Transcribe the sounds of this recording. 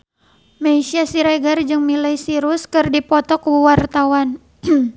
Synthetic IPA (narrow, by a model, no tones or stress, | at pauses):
maisiasiɾaɡard͡ʒɨŋmilajsiɾuskɨrdipɔt̪ɔkuwart̪awan